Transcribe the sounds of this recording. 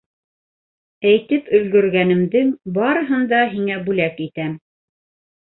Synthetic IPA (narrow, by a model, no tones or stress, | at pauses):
æjt̪ɘpɵ̆lɡɵ̆ɾɡænɘ̆md̪ɘŋbɑɾɤ̆ɦɤ̆nd̪ɑɦiŋæbʉlækit̪æm